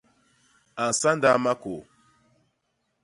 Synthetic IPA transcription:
a˨n̩˨sa˦nda˦ma˦ko˨

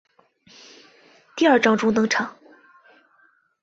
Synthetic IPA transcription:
t̪i˥˧ɐ˞˥˩ʈ͡ʂɑ˥ŋʈ͡ʂʊ˥ŋt̪ɤ˧˥ŋʈ͡ʂʰɑ˨˩˥ŋ

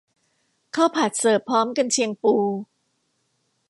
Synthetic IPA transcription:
kʰaː˥˩pʰaː˨˩t̪̚sɤː˨˩pʰːɔː˦˥mka˧nt͡ɕʰi˧əŋpuː˧

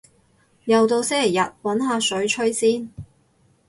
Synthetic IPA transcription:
jɐ˨wt̪o˧wse˥jkʰe˨˩jːɐ˨t̚wɐ˨˥nɦaː˧sɵ˨˥ɥt͡ʃʰɵ˥ɥsiː˥n

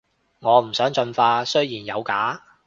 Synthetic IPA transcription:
ŋɔː˨˧m̩˨˩sœː˨˥ŋt͡ʃɵ˧nfaː˧sɵ˥jjiː˨˩njɐ˨˧wkaː˨˥

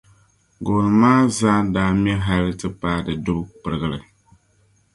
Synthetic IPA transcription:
ɡoː˨lmaː˦zaː˦daː˦mi˦ɛ˦ɦa˦ɾɪ˦tɨ˦paː˦dɨ˨dʊ˦bk͡pɨ˨ɾɨ˦˨ɣɨ˦lɨ˨

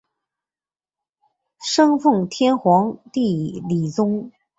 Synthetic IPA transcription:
ʂɤ˥ŋfɤ˥˩ŋt̪ʰjɛ˥nxwɑ˧˥ŋt̪i˥˩li˨˩t͡sʊ˥ŋ

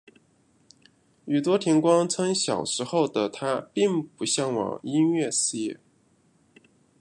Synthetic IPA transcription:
y˨˩t̪wɔ˥t̪ʰi˧˥ŋkwɑ˥ŋt͡sʰɤ˥ŋɕjɑ˨˩ʊʂɻ̩˧˥xo˥˩ʊd̪ə˩t̪ʰa˥pi˥˩ŋpu˧˥ɕjɑ˥ŋwɑ̰˨˩ŋi˥nɥɛ˥˧sɹ̩˥˧jɛ̰˥˩

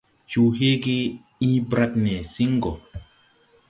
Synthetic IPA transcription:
ju˨ɦe˦ɡe˦ | ĩ˦bɾa˦tnɛ˨si˦ŋ˦ɡɔ˨

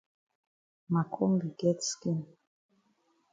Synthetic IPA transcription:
ma˨kʰɔ˦mbi˨ɡɛ˦tski˦n

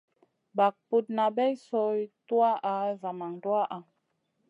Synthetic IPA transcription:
ba˨k̚pu˦t̚na˨bɛ˦jsɔ˦jtwa˦ʔa˨˦za˨ma˨ŋdwa˦ʔa˨

